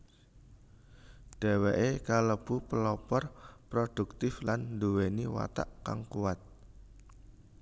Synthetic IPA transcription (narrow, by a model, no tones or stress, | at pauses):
ɖ̥a̤weʔekaləb̥ṳpəlɔpɔrpɾod̥ṳk̚t̪ɪflannduweniwa̰t̪a̰ʔka̰ŋkuwat̪̚